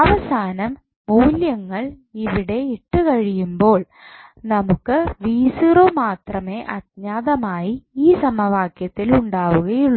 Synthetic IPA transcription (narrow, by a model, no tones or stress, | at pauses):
ɐʋɐsaːnɐmː | uːljɐŋːɐɭ | iʋiɽe̞iʈːɨkɐɻijumbo̞ːɭ | nɐmukːɨʋiːsiroːmaːt̪rɐme̞ːʔɐd̪̚ɲaːðɐmaːjiiːsɐmɐʋaːkjɐt̪ːiluɳɖaːʋuɣɐjuɭːu